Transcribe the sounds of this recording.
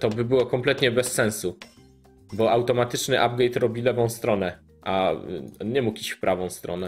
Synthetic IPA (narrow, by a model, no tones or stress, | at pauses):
t̪ɔbɘbɘwɔkɔmplɛt̪ɲɛbɛsːɛ̃ñsu | bɔawt̪ɔmat̪ɘt͡ʂnɘʔab̚ɡɛjt̪ɾɔbʲilɛvɔ̃w̃st̪ɾɔnɛ | ʔa | ɲɛmukiɕfpɾʔavɔ̃w̃st̪ɾɔ̰nɛ